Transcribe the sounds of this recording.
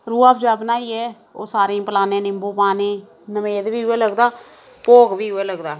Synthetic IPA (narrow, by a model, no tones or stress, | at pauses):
ɾuːaːpʰd͡ʒaːbnaːiːɛː | o̰ːsaːɾẽːpəlaːnẽːnɪmbõːpaːneː | nəmeːd̪ʋiːɦʊeːləɡd̪aː | poːɡʋiːɦʊeːləɡd̪aː